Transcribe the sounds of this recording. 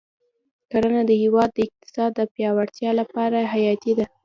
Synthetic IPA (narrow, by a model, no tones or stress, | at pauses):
kaɾanad̪əhɪwɑd̪ːəɪq̚t̪ɪ̥sɑd̪ːəpjɑwaɽt̪jɑlapɑɾaɦajɑt̪id̪a